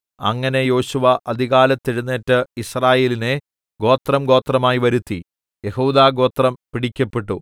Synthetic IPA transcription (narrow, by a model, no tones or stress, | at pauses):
ɐ̰ŋːɐne̞jo̞ːɕuʋɐʔɐd̪ʱiɣaːlɐt̪ːiɻunːeːtːɨisraːje̞ːline | ɡo̞ːt̪rɐmɡo̞ːt̪rɐmaːjiʋɐɾut̪ːi | jehuːd̪aːɡo̞ːt̪rɐmpiɽikʲːɐpːeʈːu